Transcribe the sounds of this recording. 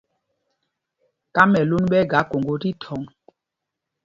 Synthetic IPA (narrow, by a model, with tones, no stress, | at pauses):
ka˦mɛ˨lo˦nɓɛ˦ɡa˨˦ko˨ŋɡo˨ɾi˦tʰɔ˨˦ŋ